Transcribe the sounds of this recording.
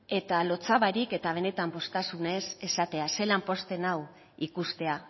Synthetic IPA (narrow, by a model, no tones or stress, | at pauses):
e̞t̪alo̞t͡saβaɾike̞t̪aβ̞e̞ne̞t̪ampo̞st̪asune̞se̞sat̪e̞ase̞lampo̞st̪e̞naw | ikust̪e̞a